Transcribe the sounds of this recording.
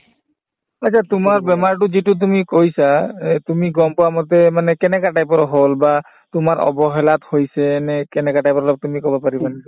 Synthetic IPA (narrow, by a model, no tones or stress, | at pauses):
aːt͡ʃʰat̪umaɾbɛmaɾʈud͡ʑiʈut̪̬umikojsat̪umiɡɔmpɔamɔt̪emanekenekaʈajpɔɾɔɦolba | t̪umaɾɔ̰bɔɦelat̪hojsʰenekenekaʈajpɔɾlat̪umikɔbapaɾibanit